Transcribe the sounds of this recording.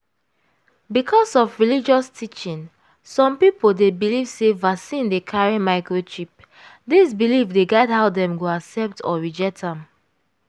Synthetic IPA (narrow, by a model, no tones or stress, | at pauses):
bikʰɔsɔfɹilid͡ʒɔstʰit͡ʃĩn | sɔ̃mpipoldebilivsevasĩndekʰaɹimaɪkɹoʃip̚ | disbilivdeɡɛdhaʊdɛ̃mɡoasɛp̚tʰɔ̰ɹid͡ʒɛtʰãm